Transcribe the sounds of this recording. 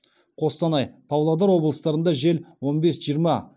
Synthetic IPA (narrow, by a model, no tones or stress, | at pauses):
qʰo̞st̪ɑnɑjpʰɑwlˠɑd̪ɑɾwo̞blˠəst̪ɑɾənd̪ɑʒe̞lwo̞nbe̞sʒijəɾmɑ